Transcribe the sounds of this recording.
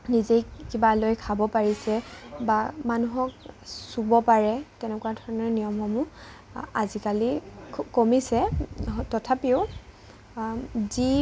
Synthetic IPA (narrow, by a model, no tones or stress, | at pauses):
nizekibalojkʰabɔpaɹisɛbamanuɦɔk̚subɔpaɹɛtɛnɛkʊwadʱɔɹɔnɔɹnijɔmxɔmu | a̰zikalikomisɛtɔtʰapiʊ | zi